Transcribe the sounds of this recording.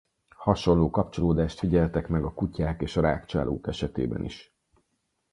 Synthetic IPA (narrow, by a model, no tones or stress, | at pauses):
hɒʃo̞nloːkɒpt͡ʃo̞loːd̪aːʃt̪fiɟɛlt̪ɛkmɛɡɒkucaːkeːʃɒɾaːkt͡ʃa̰ːlʔo̰ːkɛʃɛt̪ḛːbɛ̰nḭʃ